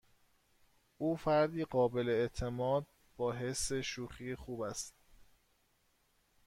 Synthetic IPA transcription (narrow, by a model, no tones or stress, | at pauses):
ʔuːfæɾd̪iːɢɒːbe̞le̞et̪ʰe̞mɒːd̪̚ | bɒːɦe̞sːe̞ʃuːxiːxuːbæst̪